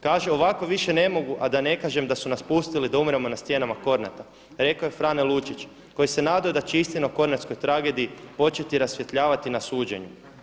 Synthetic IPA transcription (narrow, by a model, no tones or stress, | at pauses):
kaːʒeo̞ʋako̞ʋiʃe̞ne̞mo̞ɡuʔad̪ane̞kaːʒe̞md̪asunaspust̪ilid̪aumɾemo̞nast̪je̞namako̞ɾna̰t̪a | ɾe̞koje̞fɾanelˠut͡ʃit͡ʃ | ko̞jise̞naːd̪aod̪at͡ʃeist̪inauko̞ɾnat̪sko̞jt̪ɾaɡe̞d̪iipo̞t͡ʃe̞t̪iɾasʋje̞t̪ʎaːʋat̪inasuːd͡ʒe̞̰ɲu